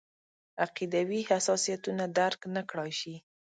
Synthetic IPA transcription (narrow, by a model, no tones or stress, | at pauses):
aqid̪awihasɑsijat̪unad̪aɾknakɽɑjʃi